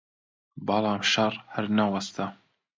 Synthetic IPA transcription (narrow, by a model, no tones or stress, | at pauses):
bɑlɑːmʃɐrˤhɐɾnawɐst̪ʰa